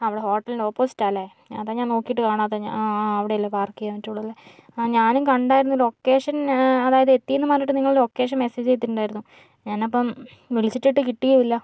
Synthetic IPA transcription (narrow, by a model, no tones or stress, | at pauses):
ɐʋiɽeɦo̞ːʈːɐlinɖeoːpːo̞ːsi̥tːaːlaːje | ɐðaːɲaːno̞ːkːijiʈːɨkaːɳaːt̪ːeɐʋiɽeilːɐpaːrkijɐʋɐtːuːɽuɐlːe | ɲaːnukɐɳɖaːjiɾunːulo̞kːe̞ːʂɐnɐðaːjɐðet̪ːijenːɨmaːɾiʈːɨniŋːɐɭlo̞ːkːe̞ːʂ̬ɐmeseːd͡ʑt͡ɕe̞jt̪iʈːuɳɖaːjiɾunːu | ɲaːnɐpːɐm | ʋilsiʈːiʈːɨkiʈːijɐʋilːɐ